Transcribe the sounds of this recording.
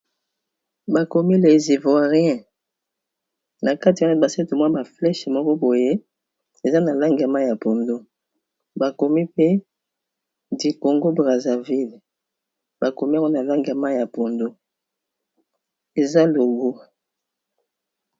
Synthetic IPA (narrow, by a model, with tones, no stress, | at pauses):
ba˨ko˨mi˦le˨zi˨vwa˨ʁi˦ɛ̃˦ | na˨ka˦tba˨sɛ˦to˨mwa˦ba˨flɛ˦ʃmɔ˦kɔ˦bo˨je˦ | e˨za˦na˨la˦ŋɡa˨ma˦ja˨po˨ndo˦ | ba˨ko˨mi˦pe˦ | di˨ko˨ŋɡo˦bʁa˨za˨vi˦l | ba˨ko˨mi˦a˦wa˦na˨la˦ŋɡa˨ma˦ja˨po˨ndo˦ | e˨za˦lo˨ɡo˦